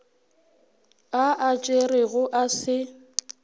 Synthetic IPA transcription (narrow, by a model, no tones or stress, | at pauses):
aʔat͡ʃʼerɪɣʊʔasɪ